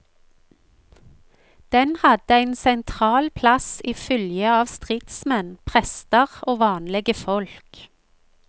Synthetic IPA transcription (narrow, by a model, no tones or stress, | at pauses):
d̪̥ɛnhɑd̪əæɪnsɛnt̪ʰʁɑːlpʰlɑsiːfʏljəɑːʋst̪ʁɪt̪smɛnpʰʁɛst̪əʁoːʋɑːnlɛɡəfɔlk